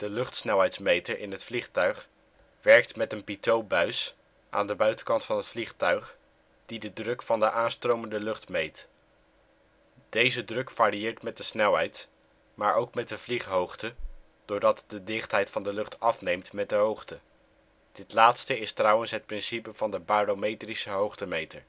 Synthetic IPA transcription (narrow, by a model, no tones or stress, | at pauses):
d̥əlɵχtsnɛlˠɦɛjtsmejtəɹʔɪ̰nɦətfliχtœɥχ | ʋɛɹk̚tmɛtənpitowbœɥs | ʔa̰ːndəbœɥtə̥kɑntfɑnɦətfliχtœɥχ | d̥idədrɵkfɑndəʔaːnstrowməndəlɵχtmejt | d̥ejzədrɵkfaːɾiɪːɹtmɛt̚dəsnɛlˠɦɛjt | maːɹʔowkmɛt̚dəvliχɦowχtə | d̥ʊːɹdɑtdədɪχtɦɛjtfɑndəlɵχtɑfnejmtmɛt̚dəɦowχtə | d̥ɪtlaːtstəɪstrʌwənsɦət̚prɪnsipəvɑndəbaromejtrisəɦowχtəmejtəɹ